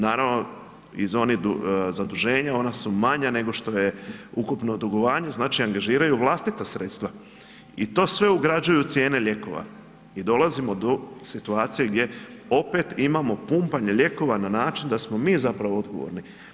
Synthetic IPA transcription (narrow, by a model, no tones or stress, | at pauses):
naːɾaʋno̞ | izo̞nid̪uzad̪uʒe̞ːɲao̞nasumaɲane̞ɡo̞ʃt̪o̞je̞ukupno̞d̪uɡo̞ʋaːɲe̞znaːt͡ʃiaŋɡaʒiːɾajuʋlˠast̪it̪asɾeːt̪st̪ʋa | it̪o̞ːsʋe̞uɡɾad͡ʑujut̪sje̞ːne̞ʎe̞ko̞̰ʋa̰ | id̪o̞lazimo̞d̪o̞sit̪uaːt̪sijeɡd̪je̞o̞pe̞t̪imamo̞pumpaɲe̞ʎʲe̞ko̞ʋananaːt͡ʃind̪asmo̞miːzapɾaʋoo̞d̪ɡo̞̰ʋo̰ɾni